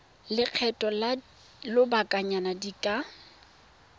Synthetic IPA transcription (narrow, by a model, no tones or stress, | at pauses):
lɪq͡χʰɛtʼɔl | lʊbakʼaɲanadikʼa